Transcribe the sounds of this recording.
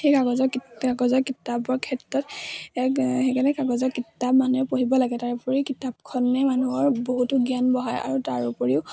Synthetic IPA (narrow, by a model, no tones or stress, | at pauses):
xejkaɡɔzɔkaɡɔzɔɹkitabɔɹkʰɛtɹɔtɛkxekalɛkaɡɔzɔkitːapmanuɛpoɦibɔlaɡɛtaɹupɔɹikitap̚kʰɔnːɛmanuɔɹboɦutʊɡianbɔɦaja̰ɹutaɹupoɹiʊ